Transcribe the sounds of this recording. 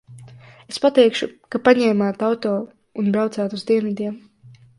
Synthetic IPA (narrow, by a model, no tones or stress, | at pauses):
espat̪ɛjkʃukapaɲɛːmaːt̪awt̪ɔː | unbɾawt̪saːt̪uzd̪iɛnvid̪iɛm